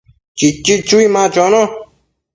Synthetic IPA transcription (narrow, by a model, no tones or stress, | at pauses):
t͡ʃit͡ʃit͡ɕuimãːt͡ʃono